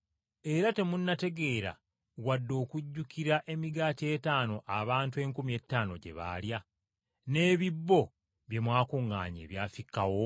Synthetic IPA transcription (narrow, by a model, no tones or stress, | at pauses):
e̞ɾate̞munːate̞ɡe̞ːɾa̰ | wadːo̞ːkuɟːukiɾaʔe̞miɡaːtie̞ːtaːno̞ʔaβaːntue̞ːŋkumie̞tːaːno̞̰ɟe̞̰βa̰lja | ne̞ːβibːo̞ | βje̞mwaːkuŋɡa̰ːɲḛːβjaːfikːawo̞